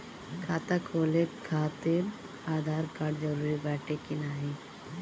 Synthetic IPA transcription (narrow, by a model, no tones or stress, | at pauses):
kʰaːt̪akʰoːlekʰaːt̪eɾ | aːd̪ʱaːɾkaːɖd͡ʒɐɾuːɾibɛːʈʰekinaːɦe